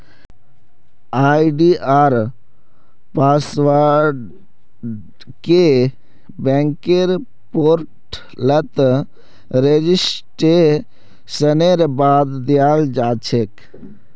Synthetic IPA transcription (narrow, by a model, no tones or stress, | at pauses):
aːjɖiʔaːɾ | paːsʋaɖ | ke | bɛ̃ŋkeɾ | poːɾʈ | lət̪ | ɾed͡ʒisʈe | səneɾbaːd̪d̪ijaːld͡ʒaːt͡ʃʰek